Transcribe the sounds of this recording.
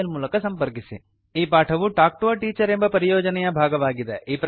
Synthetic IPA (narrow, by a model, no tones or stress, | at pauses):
ɐlmuːlɐkɐsɐmpɐɾk̬isḭ | iːpaːʈʰɐʋuʈaːk̚ʈuʋɐʈiːt͡ʃɐɾe̞mbɐpɐɾijɔːd͡ʒɐnɛjɐbʱaːɡɐʋaːɡid̪eʔiːpɾ